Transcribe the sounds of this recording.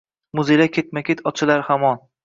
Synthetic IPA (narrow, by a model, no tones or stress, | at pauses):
mʊzelakʲʰet̪̚makʲet̪ʰɒt͡ʃʰɪlaɾhamɒn